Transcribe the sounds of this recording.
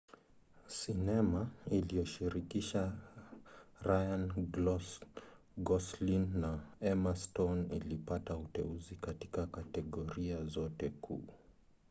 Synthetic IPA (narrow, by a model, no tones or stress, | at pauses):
sinɛmailijɔʃiɾikiʃa | ɾajan | ɡɔslinːaɛmastɔnḭlipatautɛ̰uzikati̥kakatɛɠɔɾiazɔtɛkʰṵː